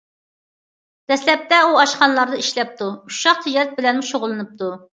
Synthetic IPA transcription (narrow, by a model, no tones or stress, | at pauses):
d̪̥ɛslɛp̚t̪ɛuɑʃqɑnlˠɑɾd̪ɨiʃlɛp̚t̪ʰuuʃɑq̚t̪ʰɪd͡ʒɛt̪̚bɪlɛnmuʃoʁʊlˠɨnɨp̚t̪ʰu